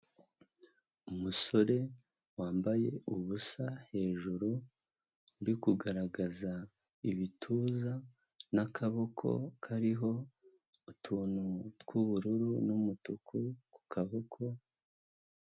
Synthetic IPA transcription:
umuso̞ɾe̞ | waːmbaje̞̰uβusahe̞ːʒuɾuː | ɾikuɡaɾaɡaza | iβitʰuːza | nakʰaβokʰo̞̰kʰaɾiɦo̞ | utʰuːnuɡuβuɾuɾunumutukʰuku̥kʰaβokʰo̞

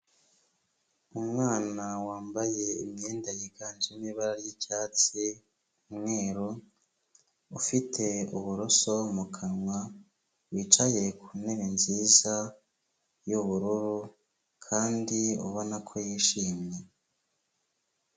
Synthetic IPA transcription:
umŋaːnawaːmbaje̞ḭmɲeːndajiɡaːnzimiβaɾaɾjicaːt͡si | umŋe̞ːɾo | ufitʰe̞uβuɾoso̞mukʰanŋwa | wiːt͡ʃaje̞kʰune̞βenziːza | juβuɾuɾu | kʰaːndiṵβonakʰo̞jiːʃiːmɲe̞

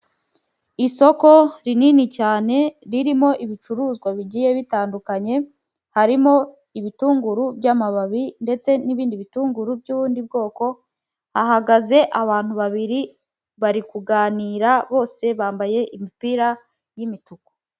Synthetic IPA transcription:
iso̞ko̞ɾininicaːne̞ɾiɾimo̞ʔiβit͡ʃuɾuːzɡwaβiɟije̞βitaːndukaɲe̞ | haɾimo̞ | iβituːŋɡuɾubɟamaβaβinde̞t͡se̞niβiːndiβituːŋɡuɾubɟuːβuːndib̚ɡo̞ːko̞ | haɦaɡaze̞ʔaβaːn̥huβaβiɾi | βaɾikuɡaːniːɾaβo̞ːse̞βaːmbaje̞ʔimipiɾa | jimituko̥

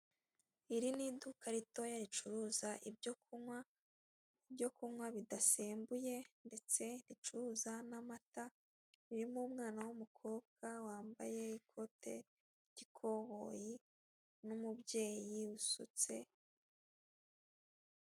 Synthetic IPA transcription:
iɾinidukaɾito̞jaɾit͡ʃuɾuzaʔib̚ɟokuwa | ibɟo̞kumwaβidaseːmbuje̞nde̞t͡se̞ɾit͡ʃuɾuːzanamata | iɾimuːmŋaːnawumukʰo̞ːb̚ɡawaːmba̰je̞ikʰo̞tʰe̞̰ | ɟ̥ikʰo̞ɣo̞ji | numubje̞ːjiusṵt͡se̞̰

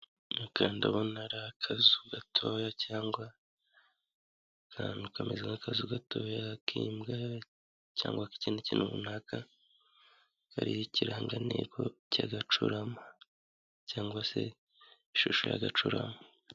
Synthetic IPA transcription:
akʰaːndaβonaɾakʰazuɡatʰo̞jacaːŋɡwa | kʰanukamezaŋakʰazuɡato̞jakʰiːmɡa | ca̰ːŋɡwaki̥cinecinʔumṵnaːka | ka̰ɾijiciɾaːŋɡanekocaɡat͡ʃuɾama | caːŋɡwase̞̰ | iʃuʃoja̰ɡat͡ʃuɾa̰ma

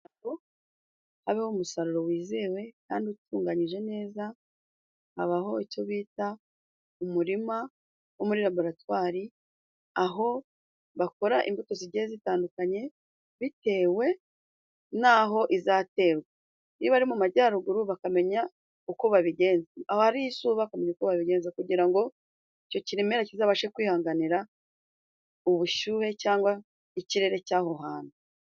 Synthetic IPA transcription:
o | haβehomusaɾuɾo̞wiːzewe̞kaːndiutuːŋɡaɲiʒe̞ne̞ːza | ha̰βaɦo̞ico̞βiːta | umuɾima | womuɾiɾabo̞ɾatwaːɾi | aɦo̞ | βako̞ɾaʔḭmbutoziɟezitaːndukaɲe̞ | βite̞ːwe̞ | naɦo̞ʔizaːte̞ːɾɡwe | niβaɾimumaɟaːɾuɡuɾuβakame̞ɲa | ukoβaβiɡe̞ːnzeaho̞haɾijisuːβakame̞ɲakoβaβiɡe̞ːnzakuɟiɾaŋɡo̞ | ico̞ciɾimeɾacizaːβaʃekwiːhaːŋɡaniɾa | uβuʃuːɾe̞caːŋɡwa | iciɾe̞ɾe̞caːho̞ɦaːn̥u

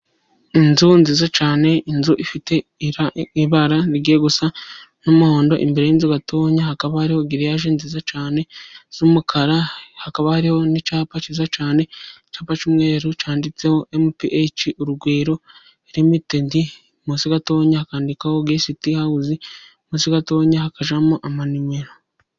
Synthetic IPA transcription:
inzunziːzat͡ʃaːne̞inzuʔifite̞aiβaɾaniɡeːɡusa | numuhoːndo̞ʔḭmbeɾejinzuɡatʰoːɲahakaβahaɾiho̞ɡiɾijaʒeːnzizat͡ʃaːne̞z̥umukʰaɾahakaβahaɾiho̞nit͡ʃaːpat͡ʃizat͡ʃaːne̞t͡ʃaːpat͡ʃimwe̞ːɾut͡ʃaːndit͡se̞ho̞ʔemupiʔet͡ʃiʔuɾuɡweːɾo̞ | eɾimitendi | musiɡatoːɲahakaːndikaho̞ɡeːsitihaɡuzi | muːsiɡatoːɲahakaʒamuʔamanimeɾo

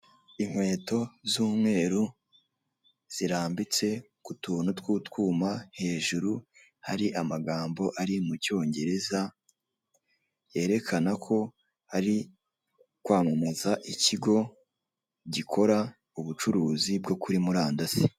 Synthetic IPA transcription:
iŋ̥hwe̞ːto̞zuːmŋe̞ːɾu | z̥iɾaːmbit͡se̞ | kutuːnutwuːtkuːmahe̞ːʒuɾu | haɾiʔamaɡaːmbo̞ʔaɾimuco̞ːɲɟe̞ɾe̞za | je̞ːɾe̞kʰanakʰo̞ | haɾi | kwaːmamazaʔiciɡo̞ | ɟikʰo̞ɾa | uβut͡ʃuɾuːzibɡo̞kuɾimuɾaːndasi

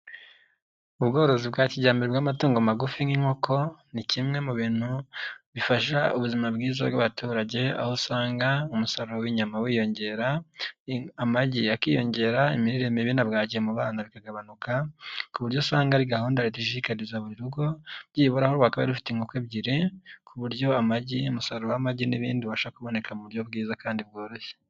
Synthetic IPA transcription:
uβɡo̞ːɾo̞zibɡaːciɟaːmbeɾebɡaːmatuːŋɡomaɡufiŋiŋ̥ho̞kʰo̞nicimŋe̞muβiːn̥huβifaʃaṵβuzimabɡiːza̰bɡaβatuːɾaɟe̞a̰hosaːŋɡaumusaɾowiɲamawiːjo̞ɲɟe̞ːɾa | amaɟiakijo̞ɲɟe̞ːɾaimiɾiɾe̞meβinabɡaːɟiemuβaːnaβikaɡaβanukakuβuɾjosaːŋɡaɾiɡahuːndaɾitiʃiikaɾizaβuɾiɾuɡo̞ɟiːβoɾahoɾwakaβa̰idufi̥teiŋɡukweβɟiɾekʰuβuɾɟo̞amaɟiumusaɾowamaɟiniβḭːndiβaʃaakuβo̞ne̞kʰamuβuɾjo̞βɡiːzakaːndib̚ɡo̞ːɾo̞çe̥

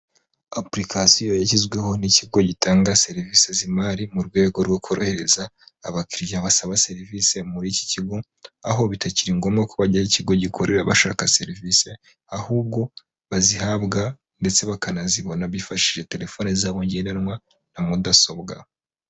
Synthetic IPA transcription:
apɾikʰasijojacizɡwe̞ho̞niciɡo̞ɟitʰaːŋɡase̞ɾivise̞zimaɾimuɾɡwe̞ːɡo̞ɾɡokoɾohe̞ɾe̞zaːβakiɾiʒaβasaβase̞ɾivise̞muɾici̥ciɡo̞ | aho̞βitaciɾiŋɡo̞mɡakoβaɟaiciɡo̞ɟikʰoɾʔe̞ɾaβa̰ʃa̰ːkase̞ɾivise̞ | ahuːb̚ɡo̞ | βazihabɡa | nde̞t͡se̞βakanaziβo̞naβifaʃiʒe̞te̞ɾe̞fo̞nizaβoɲɟenanwa | namudasobɡa̰

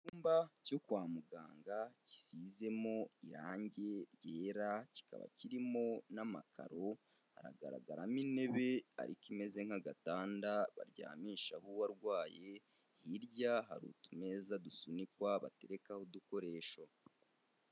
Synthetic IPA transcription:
uːmbaco̞kwaːmuɡaːŋɡaci̥size̞mo̞iɾa̰ːɲɟe̞ɾjeːɾaci̥ka̰βa̰ciɾimonamakʰa̰ɾo̞ | ha̰ɾa̰ɡa̰ɾa̰ɡaɾamine̞βe̞a̰ɾḭkime̞ze̞ŋ̥aɡataːndaβa̰ɾɟa̰ːmiːʃahuwaɾɡwaːje̞ | hiɾɟaɦa̰ɾṵtume̞ːzadusunikwaβa̰te̞ɾe̞kahoduko̞ɾe̞ːʃo

